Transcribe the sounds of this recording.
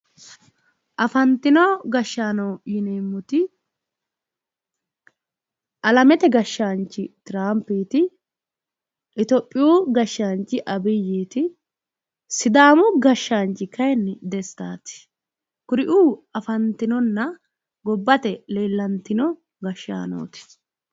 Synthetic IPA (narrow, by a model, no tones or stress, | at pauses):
ʔɐfɐnt̪ɪnɔɡɐʃːaːnɐwjɪneːmːʊt̪ɪ | ʔɐlɐmɛt̪ɛɡɐʃːaːnt͡ʃːɪt̪ɪɾaːmpːiːt̪ɪ | ʔɪt̪ɔpʼːɪjuːɡɐʃːaːnt͡ʃːɪʔɐbɪjiːt̪ɪ | sɪd̪aːmʊɡɐʃːaːnt͡ʃːɪkɐjɛnːɪd̪ɛst̪aːt̪ɪ̥ | kʊɾɪʔuːɐfɐnt̪ɪnɔnːɐ | ɡɔbːɐt̪ɛleːlːɐnt̪ɪnɔ | ɡɐʃːa̰ːno̰ːt̪ɪ̥